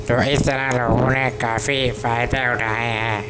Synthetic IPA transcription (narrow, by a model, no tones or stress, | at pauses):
t̪uɐʔiːsanalɔunɛkaːfiːfaːjt̪ɛːwtʰaːhajha